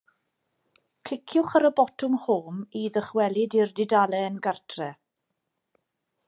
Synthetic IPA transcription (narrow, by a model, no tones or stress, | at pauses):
kʰɪkʰjʊχaɾəbɔtʰʊmhoːmiðəχwɛlˠɪdɪrdɪdalˠɛənɡartʰrɛ